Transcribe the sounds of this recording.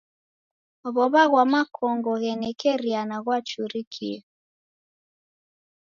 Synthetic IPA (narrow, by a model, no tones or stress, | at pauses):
ɔβɔβaɣwamakʰɔŋɡɔɣɛnɛkɛɾianaɣwat͡ʃuɾikʰiɛ